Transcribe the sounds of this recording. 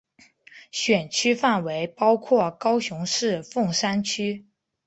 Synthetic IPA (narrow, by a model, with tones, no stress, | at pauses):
ɕɥɛ˨˩nt͡ɕʰy˥fa˥˩nwe˧˥ɪpɑ˥ʊkʰwɔ˥˩kɑ˥ʊɕʊ˧˥ŋʂɻ̩˥˧fʊ˥˩ŋʂa˥nt͡ɕʰy˥